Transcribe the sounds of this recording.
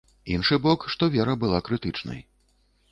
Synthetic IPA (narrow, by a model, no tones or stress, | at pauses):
inʂɨbɔkʂt̪ɔvʲɛɾɐbɨlˠakɾɨt̪ɨt͡ʂnɐ̰j